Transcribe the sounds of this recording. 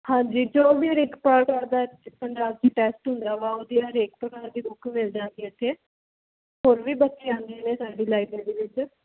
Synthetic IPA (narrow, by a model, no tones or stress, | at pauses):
hãːɲd͡ʒiːd͡ʒoːʋiːɾeːkpaɾkaːɾd̪aːpəɳd͡ʒaːbd͡ʒiːʈɛːsʈɦʊ̃nd̪aːʋaːoːd̪iːaɾeːkpɾəkaːɾd̪iːbʊkʰːmɪld͡ʒãːɡ̪iːət̪ʰːeː | ɦoːɾʋiːbətːʃeːãːnd̪ieːneːsaːɖiːlaːibãːd̪eːʋɪt͡ʃ